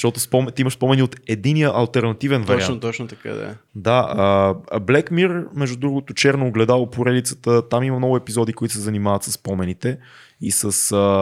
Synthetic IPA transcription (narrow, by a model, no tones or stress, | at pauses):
ʃt̪ɔt̪ʊspɔmɛt̪iməʃspɔmɛniot̪ɛd̪inijəʔɐlˠt̪ɛɾnɐt̪ivɛnvɾɾiat̪ɔt͡ʃnot̪ɐka̰d̪ɐ̰d̪aəblɛkmiɾmɛʒd̪ud̪ɾuɡot̪ʊt͡ʃɛɾnoːɡlɛd̪alˠopoɾɛd̪it̪sə̥t̪ət̪amimɐmnɔɡʊɛpizɔd̪ikoit̪ʊsɛzɐnimavət̪səsːpɔmɛnit̪ɛ | isəsə